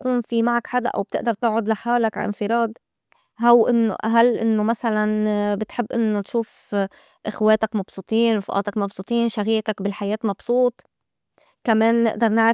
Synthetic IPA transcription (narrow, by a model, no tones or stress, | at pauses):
kuːnfimaʕakħad̪a̰ʔa̰wb̚t̪ɪʔd̪ɑɾˤt̪ɪʕʕʊd̪laħaːlakʕa̰ʔɪ̰nfɪɾˤɑːd̪ | ɦawʔɪnːo̰ʔaɦalːʔɪ̰nːomasalanbɪt̪ħɪbːʔɪnːot̪ʃuːf | ʔɪxweːt̪akmɑb̥sˤut̪ˤiːnɾʊfʔɑ̰ːt̪ɑkmɑbsut̪ˤiːnʃaɣiːk̪akbɪlħajeːt̪mɑbsˤuːt̪ˤ | kameːnːɪ̰ʔd̪ɑɾˤnɪʕɪ